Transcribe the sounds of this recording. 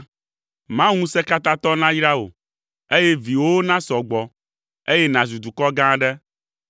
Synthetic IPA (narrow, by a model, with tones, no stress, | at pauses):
mã˦ŋũ˦sɛ˦ka˦t̪ã˦t̪ɔ˦nã˦jɖa˦o̰˨ | e˦jɛ˦vi˨wo˦nã˦sɔ˨ɡ͡bɔ˨ | e˦jɛ˦nã˨zu˨d̪u˨kɔ˦ɡã˦ɖɛ˦